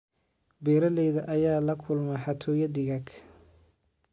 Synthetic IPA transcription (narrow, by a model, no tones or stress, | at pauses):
bɛːɾɐlɛjðɐʔɐjaːlɐkʰʊlmɛħɑt̪ʰɔːjɐd̪ɪɣaɡ